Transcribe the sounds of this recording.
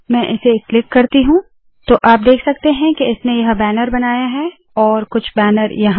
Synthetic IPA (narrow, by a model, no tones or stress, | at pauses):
mɛ̃ʔɪseklɪkːɐɾt̪iɦũ | t̪oːʔaːp̚d̪eːkʰsɐk̚t̪eɦɛ̃keɪsnejɐɦbɛːnəɾbɐnaːjaɦɛ | ɔːɾkʊt͡ʃʰbɛːnəɾjɐɦ